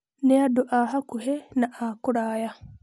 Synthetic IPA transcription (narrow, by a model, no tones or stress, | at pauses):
nɛadɔʔaɦakuhɛnaʔakuɾaːja